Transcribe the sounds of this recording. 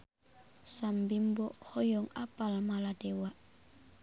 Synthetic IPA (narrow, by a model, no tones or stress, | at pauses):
sambimbɔʔhɔjɔŋapalmaladɛwaʔ